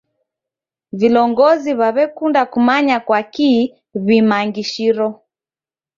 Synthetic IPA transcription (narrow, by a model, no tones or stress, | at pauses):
vilɔŋɡɔziβaβɛkundakumaɲakwakiː | βimaŋɡiʃiɾɔ